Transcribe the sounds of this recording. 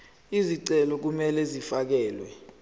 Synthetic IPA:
iziǀɛlɔk̬umɛlɛzifak̬ɛːlwɛ

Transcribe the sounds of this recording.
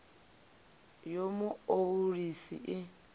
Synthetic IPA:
jomʊourisḭʔɪ

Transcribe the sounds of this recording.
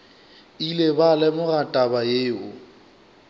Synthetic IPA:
ilebalɛmʊratʼabajeːʊ

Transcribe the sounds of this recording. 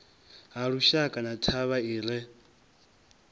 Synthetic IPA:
ɦaɺuʃakʼanatʰaβaiːɺɛ

